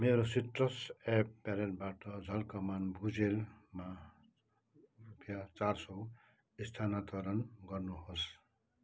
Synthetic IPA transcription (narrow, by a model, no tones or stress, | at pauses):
meɾositɾʌsepːɛɾelbaʈʌd͡zʱʌlkɔmanbʱud͡zelma | ɾupjat͡saɾsɔw | ist̪ʰanat̪ɔɾʌnɡʌɾnuhos